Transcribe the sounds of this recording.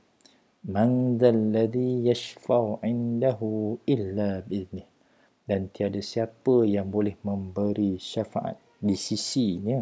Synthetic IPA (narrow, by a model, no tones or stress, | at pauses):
mãnðalːaðijaʃfaʕɪndaɦuʔilːabiɪðnɪh | dant̪iadasiapəjaŋbolɛhmə̃mbəɾiʃafaʔa̰t̪̚disisiɲə